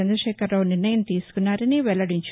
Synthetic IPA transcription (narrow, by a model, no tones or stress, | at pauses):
ɛnd̪ɾɐʃɛːkɐɾloːniɾnɐjɐmt̪iːsu̥kunːaːɾɐniʋɛlɭːɐɽiɲt͡ʃ